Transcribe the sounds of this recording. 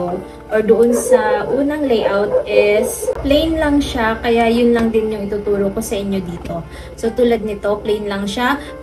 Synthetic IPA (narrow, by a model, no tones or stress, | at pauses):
o | ʔoɹd̪ʊʔonsɐʔuːnɐŋlejʔawt̪ʔɛsplɛjnlɐŋʃakɐjajʊnlɐŋd̪ɪnjʊŋʔɪt̪uːt̪uːɾoko̞sɐʔɪɲjo̞d̪iːt̪o̞ | so̞t̪uːlɐd̪̚nɪt̪o̞plɛjnlɐŋʃa